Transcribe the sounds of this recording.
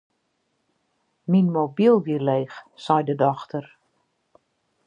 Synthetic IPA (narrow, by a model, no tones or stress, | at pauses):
minmobilˠʋileːxsɛjdədɔxtʰər